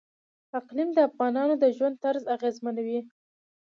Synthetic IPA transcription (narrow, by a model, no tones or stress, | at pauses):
t̪aqlimd̪əafɣɑnɑnod̪əʒwand̪̚t̪aɾzaɣezmanawi